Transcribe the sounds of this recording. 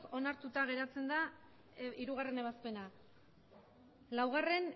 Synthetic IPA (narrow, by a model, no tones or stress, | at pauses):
o̞naɾt̪ut̪aɣ̞e̞ɾat͡se̞nd̪a | iɾuɣare̞ne̞βaspe̞na | lawɣare̞n